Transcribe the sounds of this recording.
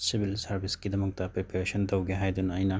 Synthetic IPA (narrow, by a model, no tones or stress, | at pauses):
sibʱilsɐɾbʱiskid̪ɐmɐk̚t̪apɾepɐɾesɔnt̪ɐwɡeɦajd̪unajna